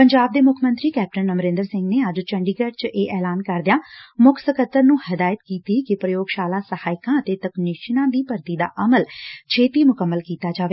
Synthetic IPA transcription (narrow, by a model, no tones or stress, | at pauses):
pəɲd͡ʒaːb̚d̪eːmʊkʰmə̃nt̪ɾiːkɛːp̚ʈənəmɾɪ̃nd̪əɾsɪ̃ŋɡneːəd͡ʒt͡ʃəɳɖiːɡɛːʈ̚t͡ʃʔeːʔɛːlaːnkəɾd̪ɪjaːmʊkʰsəkət̪ːəɾnũːhəd̪aːjət̪kiːt̪iːkɪpɾəjoːɡʃaːlaːsəhaːɪkãːət̪eːt̪əknɪʃnãːd̪iːpəɾt̪iːd̪a̰ːʔəməlt͡ʃʰeːt̪iːmʊkəmːəlkiːt̪aːd͡ʒaːʋeː